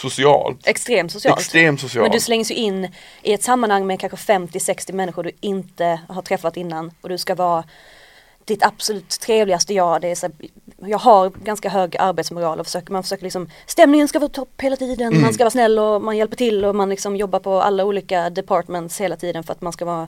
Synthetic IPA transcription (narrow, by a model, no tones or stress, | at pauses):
sʊsɪɑ̰ːlt̪ɛkst̪ɾeːmt̪sʊsɪɑ̰lt̪ɾeːmt̪sʊsɪɑɛnd̪ɵslɛŋːsjɵʔɪnː | ʔɪɛt̪samːanhaŋːmɛkʰanɧəfɛmt̪ɪsɛkst̪ɪmɛnːɪɧʊɖɵɪnt̪əɦaʈʰɾɛfːat̪ɪnːanɔd̪ɵskavɑː | d̪̥ɪt̪ab̥sɔlʉ̟ːt̪ʰːɾeːvlɪɡast̪əjɑːd̪ɛæsæː | jɑːɡɦaɾɡanskaɦøːɡaʔaɾbeːt̪smʊɾɑːlɔfœ̥ʂøːkəmanfœ̥ʂøːkəɾlɪksɔmst̪ɛmnɪŋənskavɑːt̪ʰɔpːheːlat̪ʰiːd̪ənmans̬kavɑːsnɛlːɔmanjɛlpəʈʰɪlːɔmanlɪksɔmjɔbːaɾpʰɔa̰lːauːliːkad̪ɛpʰɑːʈmɛnt̪sheːlat̪ʰiːd̪ənfœɾat̪manskavɑː